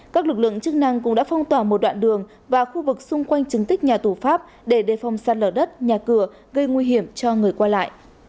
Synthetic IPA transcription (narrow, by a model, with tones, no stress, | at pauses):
kaː˦˥k̚lɨ˨˩k̚lɨ̰˧˨ə˨ŋt͡ɕɨ˦˥k̚na˧ŋk̬ʊ̰˧˥ŋ͡mɗa̰ː˧˥fa˧wŋ͡mt̪waː˧˨˩mo˨˩t̚ɗwa̰ː˧˨nɗɨ˨˩əŋ | vaː˨˩xu˧vɨ˨˩k̚sʊ˧ŋ͡mkwa˧jŋ̟t͡ɕɨ˨˩ŋt̪ï˦˥k̚ɲaː˨˩t̪u˧˩faː˦˥p̚ | ɗe˧˩ɗe˨˩fa˨˩wŋ͡msaː˨˩t̚ləː˧˩ɗə˦˥t̚ɲaː˨˩kɨ˧˩ə | ɣə˧jŋwi˧ɦi˧˩əmt͡ɕɔ˧ŋɨ˨˩əjkwaː˧la̰ː˧˨j